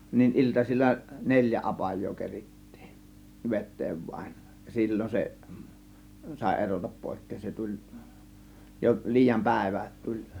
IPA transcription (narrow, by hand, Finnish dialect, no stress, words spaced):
nin iltɑsilʲːɑ nelʲjæ ɑpɑjˑoː keritːi̥ːn̥ ʋetˑeːʋ ʋɑĭn jɑ silʲːon se sɑˑe̝ erotɑp poˑe̝kːeːn se tulʲ jo liːjɑm pæˑe̝ʋæ tulʲ